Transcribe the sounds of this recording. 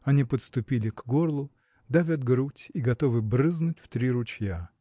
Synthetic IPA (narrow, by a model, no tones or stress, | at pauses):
ɐnʲipət̪st̪ʊpʲilʲɪɡɡorlˠʊ | d̪avʲad̪̚ɡɾutʲiɡɐt̪o̞vɨbɾɨznʊtʲft̪ɾʲiɾʊt͡ɕja